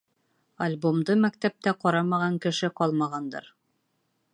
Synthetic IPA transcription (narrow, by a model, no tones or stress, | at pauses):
alʲbomd̪ɤmæk̚t̪æp̚t̪æqɒɾɑmɑʁɑŋkɘ̆ʃɘqɒlˠmɑʁɑnd̪ɤ̰ɾ